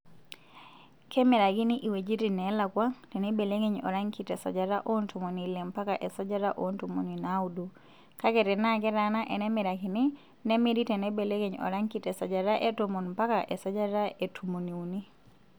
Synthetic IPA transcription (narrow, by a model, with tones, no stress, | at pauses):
kɛ˦mɪ˨ɾa˨kɪ˦nɪ˦ʔi˨we˨d͡ʒi˦ɾi˨nɛ˦la˨kwa˦ŋtɛ˨nɛ˦be˨le˦ŋe˦ɲɔ̰˨ɾa˦ŋki˨tɛ˨sɔ˨d͡ʒa˨ɾa˦ʔo˦ntu˨mo˨ni˨le˨mpa˦kaʔɛ˨sɔ˦d͡ʒa˦ɾa˦ʔo˦ntu˨mo̰˨ni˨na˦udu˨ | ka˦kɛ˨tɛ˨na˦kɛ˦ɾa˨na˦ʔɛ˨nɛ˦mɪ˨ɾa˨kɪ˨nɪ˦ | nɛ˦mɪ˦ɾi˦tɛ˨nɛ˦be˨le˦ŋe˨ɲɔ̰˨ɾa˦ŋki˦tɛ˨sɔ˨d͡ʒa˨ɾa˦ʔe˦tomo˨nmpa˦kaʔɛ˨sɔ˦d͡ʒa˦ɾa˦e˨tʰu˨mo˨ni˨u˨ni˦